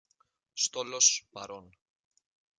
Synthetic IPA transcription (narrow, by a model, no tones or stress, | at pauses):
st̪o̞lospɐɾo̞n